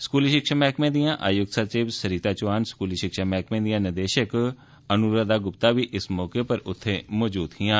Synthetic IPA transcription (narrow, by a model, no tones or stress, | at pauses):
skuːliʃɪkʃaːmɛːkmẽːd̪ijãːʔaːjʊɡ̪sət͡ʃiːʋsəɾiːt̪aːt͡ʃʊaːnskuːliʃɪkʃaːmɛːkmẽːd̪ijãːnɪd̪eːʃək | ənuːɾad̪aːɡʊpt̪aːʋiːʔɪsmɔːkepəɾʊt̪ʰːeːmɔːd͡ʒuːd̪ɦɪjãː